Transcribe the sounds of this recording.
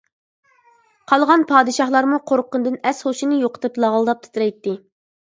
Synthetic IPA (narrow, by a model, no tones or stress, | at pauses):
qʰɑlˠʁɑnpʰɑːd̪ɨʃɑχlˠɑɾmuqʰoɾqʊnd̪ɨnɛsχoʃinɨjoqə̥t̪ɨplˠɑʁlˠd̪ɑp̚t̪ʰɨ̥t̪ʰɨɾɛjt̪ːɪ